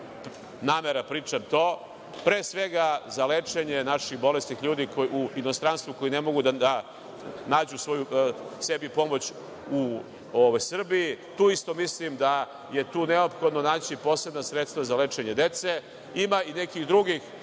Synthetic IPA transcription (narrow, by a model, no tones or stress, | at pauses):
naːmeɾapɾiːt͡ʂamt̪o̞ː | pɾe̞ːsʋe̞ɡazalet͡ʂeɲe̞naʃixbo̞lest̪nixʎuːd̪ikouino̞st̪ɾanst̪ʋuko̞inemo̞ɡud̪aa | naːd͡ʑusʋo̞juse̞bipo̞mo̞t͡ɕ | u | oʋojsr̩biit̪uːist̪o̞mislimd̪a | je̞t̪uːneopxo̞d̪no̞naːt͡ɕipo̞ːseb̪nasɾet̪st̪ʋazalet͡ʂeɲed̪e̞t̪se | imainekiɣd̪ɾuɡix